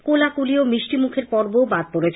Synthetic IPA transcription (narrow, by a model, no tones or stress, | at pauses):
kolakuliomɾiʃʈimukʰeɾpɔɾbobad̪̚poɾet͡ɕʰ